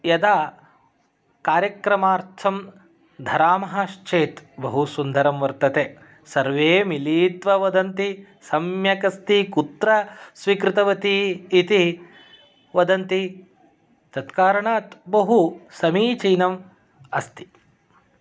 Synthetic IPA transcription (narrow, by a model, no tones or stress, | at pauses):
jɐd̪aː | kaːɾjɐkɾɐmaːɾt̪ʰɐm | d̪ʱɐɾaːmɐɦɐʃt͡ʃeːt̪bɐɦusund̪ʱɐɾɐmʋɐɾt̪ɐt̪eː | sɐɾʋeːmiliːt̪ʋɐʋɐd̪ɐnt̪i | sɐmjɐkɐst̪ikut̪ɾɐsʋikɾɪt̪ɐʋɐt̪iːt̪i | ʋɐd̪ɐnt̪i | t̪ɐt̪kaːɾɐɳaːt̪bɐɦusɐmiːt͡ʃijnɐm | ɐst̪i̥